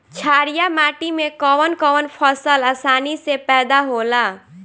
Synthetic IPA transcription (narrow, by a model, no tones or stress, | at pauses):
t͡ʃʰaːɾijamaʈimẽkəʋənkəʋənpʰəsəlasaːnisepɛd̪aɦola